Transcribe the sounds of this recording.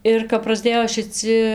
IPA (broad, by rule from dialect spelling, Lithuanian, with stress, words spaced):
ɪr kɐp prɐzʲˈdʲeːjoː ʃʲɪˈt͡sʲɪ